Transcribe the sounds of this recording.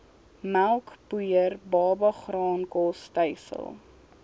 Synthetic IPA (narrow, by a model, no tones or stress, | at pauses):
mælˠkpujərbɑːbɐχrɑːnkɔstəjsə̰lˠ